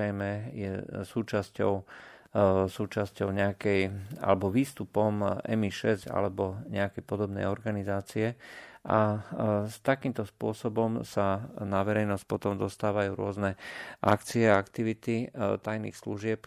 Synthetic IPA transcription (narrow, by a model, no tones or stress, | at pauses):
ɛjmɛjɛ̰suːt͡ʃascɔʊ | suːt͡ʃascɔʊɲɛakɛja̰lɛbɔʋiːst̪upɔmʔɛ̰miʃɛsɟa̰lɛbɔɲɛakɛjpɔd̪ɔbnɛ̰jɔɾɡanizaːt͡siɛʔa | t̪akiːmt̪ɔspʊɔsɔbɔmsanaʋɛɾɛjnɔsc̚pɔt̪ɔmd̪ɔst̪aːʋajuːɾʊɔznɛʔakt͡siɛaakt̪iʋit̪it̪ajnḭːxsluʒɪɛp